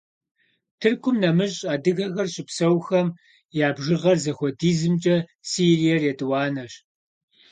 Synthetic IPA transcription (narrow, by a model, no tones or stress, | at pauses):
tʰɨrkʷʰʊmnɐmɨɕʼaːdɨɣɐɣɐrɕʼɪpsɐwxɐm | jaːbʒɪʁɐrzɐxʷɔdiːzɨmt͡ʃʼɐsiːrijɐrjɛdɨwɑːnɐɕ